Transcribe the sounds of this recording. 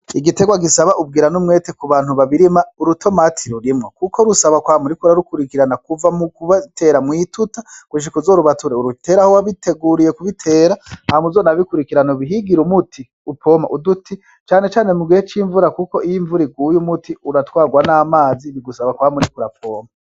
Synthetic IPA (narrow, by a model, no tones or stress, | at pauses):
iɡite̞ɡwaɡisaβaʔub̚ɡiːɾanumŋe̞ːtekuβaːnuβaβiɾimauɾutʰo̞matʰiɾuɾimŋokukoɾusaβakwaːmuɾikuɾaɾukuɾikiɾanakuvamukuβatʰe̞ɾamŋitutakwuʃ̬ikuzoɾuβatuɾeuɾute̞ːɾahowaβitʰe̞ɡuɾijekuβitʰe̞ːɾahamuzonaβikuɾikiɾanoβiɦiɡiɾumutʰi | upʰo̞ma̰ʔudutʰi | t͡ʃaːne̞t͡ʃaːnemuɡiet͡ʃiːɱvuɾakuko̞ʔijiɱvuɾiɡuːjumutiuɾatwaːɡwanaːmaːziβiɡusaβakwaːmuɾikuɾapʰoːma